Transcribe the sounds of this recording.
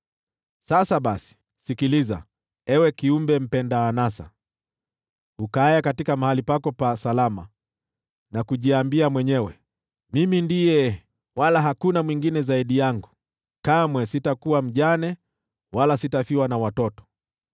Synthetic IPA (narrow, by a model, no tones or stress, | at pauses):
sasaɓasi̥ | sikiliza̰ | ɛwɛkiumbɛm̩pɛndaːnasa̰ | ukaajakatikamahalipakɔpasalama̰ | nakuʄiambiamwɛɲɛwɛ | mimindijɛ | walaɦakunamwiŋɡinɛzaiɗijaŋɡu | kamwɛsitakuwam̩ʄanɛ | walasitafiwanawatɔtɔ̥